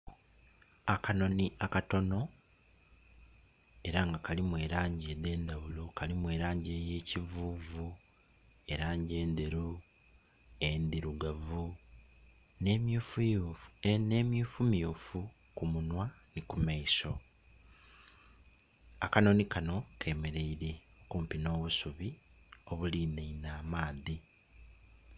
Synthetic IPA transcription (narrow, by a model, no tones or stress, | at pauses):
akano̞niakato̞no̞ | e̞ɾaŋɡakalimwe̞ːɾaːɲɟede̞ːndaβulokalimwe̞ːɾaːɲɟe̞ːje̞ːcivuːvu | e̞ɾaːɲɟe̞ːnd̪eɾu | end̪iɾuɡavu | nemuf | nemjuːfumjuːfu | kumunwa | nikumaiso̞ | akano̞nikano̞kʰe̞ːme̞ɾe̞iɾe̞o̞kuːmpino̞ːβusuβio̞βuliːneinaːmaːði